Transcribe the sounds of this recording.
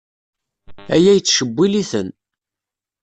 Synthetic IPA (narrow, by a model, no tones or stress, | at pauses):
æjæjət͡sːʃəbːiliθən